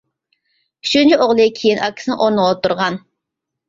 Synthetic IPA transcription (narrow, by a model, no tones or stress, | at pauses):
yʃunt͡ʃʰiʔoʁlˠɨkʲʰejinʔɑkʲʰːi̥sɪnɪ̰ʔoɾnəwlˠɑt̪uɾʁɑn